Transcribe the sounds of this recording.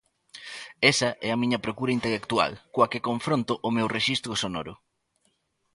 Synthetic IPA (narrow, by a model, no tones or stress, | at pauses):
ɛsɐʔɛɐmĩɲɐpɾokuɾɐint̪elekt̪ua̰lkoɐkekõɱfɾõnt̪ʊʔʊmewreʃist̪ɾʊsonoɾʊ